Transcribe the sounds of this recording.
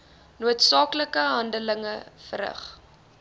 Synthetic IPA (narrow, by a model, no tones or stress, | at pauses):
nuətsɑːkləkəɦɐndələŋəfəɾə̰χ